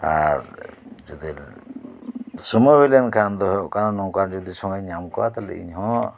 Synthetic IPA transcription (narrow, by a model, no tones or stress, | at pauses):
a̰ɾd͡ʒɔd̪il | səməbilɛnkʰand̪ɔɦɔʔkananɔwkaɾd͡ʒɔd̪isɔŋɡaɲamkɔwat̪alɛ̰ḭɲɦɔ̃